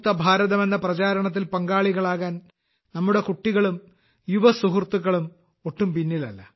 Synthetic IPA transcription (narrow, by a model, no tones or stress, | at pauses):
t̪ːɐbʱaːɾɐðɐme̞nːɐprɐt͡ɕaːɾɐɳɐt̪̬ːilpɐŋɡaːɭiɣɐɭaːɣaːn | nɐmːuɽe̞kuʈːiɣɐɭum | juʋɐsuɦurt̪uɣːɐɭum | oʈːumpinːilɐlːɐ